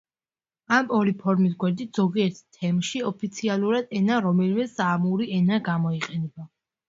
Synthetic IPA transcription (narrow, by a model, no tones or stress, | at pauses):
amɔɾipʰɔɾmis̬ɡwɛɾd̪it̪ʰz̥ɔɡiɛɾt̪ʰt̪ʰːɛmʃiɔpʰit̪sʰialˠuɾad̪ɛnaɾɔmɛlmɛsaːmuɾiɛnaɡamɔiqʼɛnɛba